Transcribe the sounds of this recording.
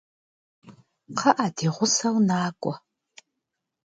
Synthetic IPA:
qʰɐʔadʰiːʁʷʊsɐwnaːkʷʼɔ

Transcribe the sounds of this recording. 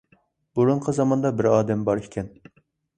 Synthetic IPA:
buɾuɴqʰəzɑmɑnd̪ɑbɪɾɑːd̪ɛmbɑɾikʲʰɛn

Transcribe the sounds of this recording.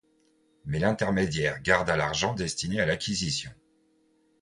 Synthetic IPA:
mɛlɛ̃t̪ɛʁmed̪jɛʁɡaʁd̪alaʁʒɑ̃d̪ɛst̪inealakʲʰizisjɔ̃

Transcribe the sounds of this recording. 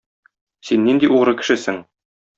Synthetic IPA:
sinːind̪iʔuʁɾɤkɘ̥̆ʃɘsɘŋ

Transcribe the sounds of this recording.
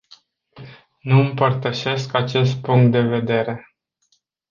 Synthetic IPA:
nuɨmpərt̪əʃe̞skat͡ʃe̞st̪̚puŋk̚t̪̚d̪e̞ve̞d̪e̞ɾe̞

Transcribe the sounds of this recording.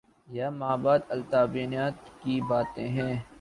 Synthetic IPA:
jaːmaːbaːd̪ɐlt̪aːbiːnaːt̪kibaːt̪ẽɦɛ̃ː

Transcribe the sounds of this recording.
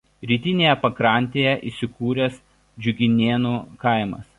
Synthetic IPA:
ɾʲiːt̪ʲɪnʲeːjɛpɐkɾɐˑnʲt̪ʲeːjɛʔisʲɪkuːɾʲɛs | d͡ʒʲʊɡʲɪnʲeːnuːkɐɪmɐ̰s

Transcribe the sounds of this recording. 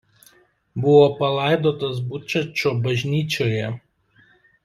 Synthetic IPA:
bʊʋoːpɐlˠɑˑɪd̪oːt̪ɐs̬bʊt͡ʃɛt͡ʃʲoːbɐʒʲnʲiːt͡ʃʲoːjɛ

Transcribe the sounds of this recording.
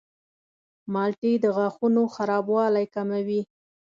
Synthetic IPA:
mɑlʈid̪əɣɑxunoxaɾɑbwɑlajkamawi

